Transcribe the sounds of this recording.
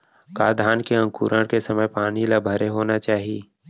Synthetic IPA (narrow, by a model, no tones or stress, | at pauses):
kaːd̪ʱaːnkeɐ̃ŋkṵːɾəɽkesɐməjpaːnilabʱəɾeɦoːnat͡ʃaːɦieː